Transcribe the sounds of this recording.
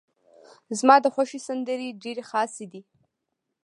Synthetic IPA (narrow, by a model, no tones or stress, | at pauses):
zmaːd̪əχʷaʃisand̪əɾiɖeɾiχaːsid̪i